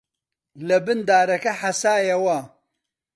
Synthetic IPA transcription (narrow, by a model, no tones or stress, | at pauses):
lɐbɨnd̪aːɾɐkɐħasaːjɐwɐ